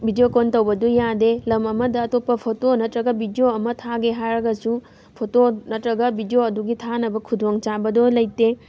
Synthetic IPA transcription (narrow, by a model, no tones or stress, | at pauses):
bʱidiokontɐwbɐdujadelɐmɐmɐdɐːtopːɐpʰotonɐtɾɐɡɐbidioɐmɐtʰaɡeɦaɾɐɡɐsu | pʰotonɐtɾɐɡɐbʱidijoɐduɡitʰanɐbɐkʰudoŋt͡ʃabɐdolɐjte